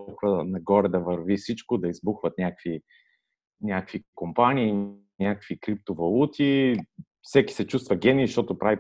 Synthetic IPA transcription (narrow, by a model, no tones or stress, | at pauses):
xvənɐɡɔɾɛd̪ɐvəɾvifsit͡ʃkod̪ɐizbuxvət̪nʲakkv̥i | nʲakəkvikompanʲiː | nʲakəkvikɾip̚t̪ovɐlˠut̪ʰi | fsɛki̥sɛt͡ʃust̪vɐɡʲɛniʃt̪ɔt̪ʊpɾavi